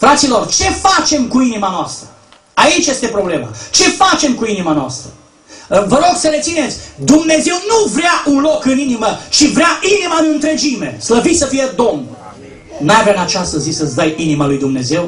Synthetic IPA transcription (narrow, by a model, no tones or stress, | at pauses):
fɾat̪silo̞rt͡ʃe̞fat͡ʃe̞mkuinimanoast̪ɾə | ait͡ʃjest̪epɾo̞ble̞ma̰t͡ʃe̞fat͡ʃe̞mkuinimanoa̰st̪ɾə | vəɾo̞ɡsəɾe̞t̪sine̞t̪sʲd̪umne̞ze̞wnuvɾɪaʔunlo̞kɨninimət͡ʃivɾeaʔinimaɨnɨnt̪ɾe̞d͡ʒime̞̰sləvisəfije̞d̪o̞mn | najavɾanat͡ʃast̪əzisəsd̪ajinimalujd̪umne̞ze̞w